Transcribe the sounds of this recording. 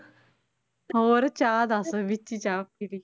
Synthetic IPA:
oːɾɐt͡ɕaːd̪asɨʋit͡ɕːit͡ɕaːpili

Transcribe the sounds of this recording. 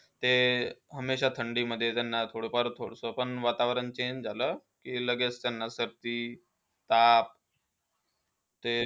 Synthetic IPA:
t̪eɦəmːeɕat̪ʰəɳɖiːməd̪ʱːjet̪janːat̪ʰoɽopaɾut̪ʰoɽsopəɳʋat̪aʋɾənt͡ɕeɲd͡ʑd͡zaləː | kiːləɡet͡st̪janːasəɾt̪iː | t̪ap̚ | t̪e

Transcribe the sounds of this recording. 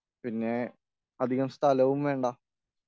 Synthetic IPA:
pinːe | ɐd̪ʱiɣɐmst̪ʰɐlɐʋumʋe̞ːɳɖaː

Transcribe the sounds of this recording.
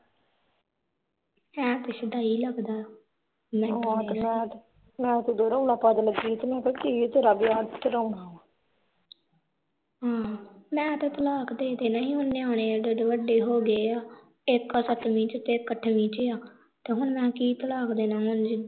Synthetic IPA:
mɛ̃ːt̪ɪʃɪd̪aːiːləɡd̪aː | mɛ̃ːt̪ːmɛ̃t̪ | mɛ̃ːt̪ed̪oːɾəuɽaːpad̪ələɡd͡ʒiːt̪nẽːpəkit̪eːɾaːbiaːt͡ʃɾəuɳaːaː | ɦãːmɛ̃ːt̪eːt̪əlaːkd̪eːt̪eːnaĩːɦʊnːeːaːɽ̃eːaːd͡ʒəɖeʋəɖeːɦoːɡeːaː | ɪkːəsət̪mĩːt͡ʃt̪eːkːəʈʰmĩːt͡ʃeaː | t̪eːɦʊɳmɛ̃ːkiːt̪əlaːkd̪eːnãːmʊnd͡ʒi

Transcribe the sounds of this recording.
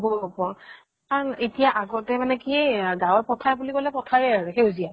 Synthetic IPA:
bɔpɔ | aɹnetijaʔaɡɔtɛmanɛkieɡawɔɹpɔtʰaɹbulikɔlɛpɔtʰaɹɛaɹɛxeuzia

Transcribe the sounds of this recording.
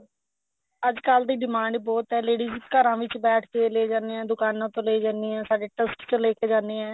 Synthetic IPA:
əd͡ʒkald̪iːɖɪmãːɳɖbɔːt̪ɦɛːleːɽiːzkəɾãːʋɪt͡ʃbɛːʈʰk̪eːleːd͡ʒãːnd̪eːɛ̃ːd̪ʊkaːnãːt̪õːleːiːd͡ʒãːnd̪iːɛ̃ːsaːɖeːʈəsʈt͡ʃəleːkeːd͡ʒãːnd̪eːɛ̃ː

